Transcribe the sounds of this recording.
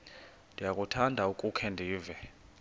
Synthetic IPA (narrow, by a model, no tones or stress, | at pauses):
ndʱʼijakʼutʰandʱaukʼukʰɛndʱiːvɛ